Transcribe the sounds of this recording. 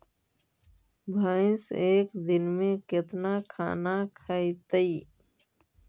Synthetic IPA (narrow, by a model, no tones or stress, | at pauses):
bʱaːɪ̃seːkd̪ɪnmẽkɪt̪nakʰa̰ːnakʰaːit̪əi